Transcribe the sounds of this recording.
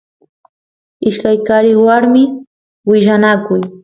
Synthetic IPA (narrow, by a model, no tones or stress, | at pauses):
ɪʃkajkaɾɪχwaɾmɪ | wɪʃanakʊj